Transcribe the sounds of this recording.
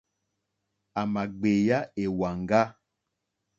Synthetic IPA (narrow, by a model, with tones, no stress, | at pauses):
a˨ma˨ɡ͡be˨ja˦e˨wa˨ŋɡa˦